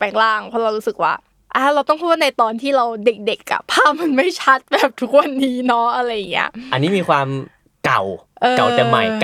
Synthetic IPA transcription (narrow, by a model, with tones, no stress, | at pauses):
pɛː˨˩ŋklaː˥˩ŋpʰɔ˦˥ɾa˧wɾuː˦˥sɯ˨˩k̚wa̰ː˥˩ | ʔaː˧˩ɾa˧wt̪ɔ˥˩ŋpʰu˥˩na˧jt̪ɔː˧nt̪ʰiː˥˩ɾa˧wde˨˩k̚de˨˩k̚ʔa̰˨˩pʰaː˥˩p̚ma˧nma˥˩jt͡ɕʰa˦˥t̪̚bɛː˨˩p̚t̪ʰu˦˥k̚wa˧nːiː˦˥nɔ˦˥ʔa˧ɾa˧jːa˨˩ŋːḭ˦˥ɐʔa˧nːiː˦˥miː˧kʰwaː˧m | ka̰˨˩wʔɤː˧ka˨˩w̪ɛ˨˩ma̰˨˩jk